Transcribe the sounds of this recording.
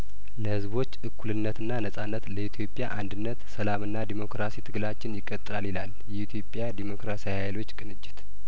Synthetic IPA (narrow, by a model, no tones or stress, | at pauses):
ləhɨzbo̞t͡ʃːʔɨkʰːulɨnːət̪ɨnːanəsʼanːət̪ləit̪ʰjo̞pʼːjaʔand̪ɨnːət̪səlamɨnːad̪emo̞kɾasit̪ʰɨɡlat͡ʃːɪnjɪkʼːət̪ʼːɨlalilaljɛit̪ʰjo̞pʼjad̪emo̞kɾasijhajlo̞t͡ʃːkʼɨnɨd͡ʒːɪt̪